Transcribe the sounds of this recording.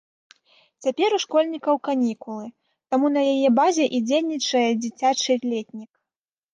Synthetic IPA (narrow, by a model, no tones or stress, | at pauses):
t͡sʲapʲɛɾuʂkɔlʲnʲikɐwkanʲikulˠɨ | t̪amunɐjajɛbazʲɛʔid͡zʲelʲnʲit͡ʂɐjɛd͡zʲit͡sʲat͡ʂɨlʲɛt̪ʲnʲik